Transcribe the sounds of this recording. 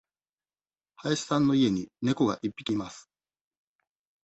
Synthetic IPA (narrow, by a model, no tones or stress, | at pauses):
haeɕi̥sãnːo̞ie̞ɲ̟ine̞ko̞ɡa̰ʔipːi̥kʲimasɨ̥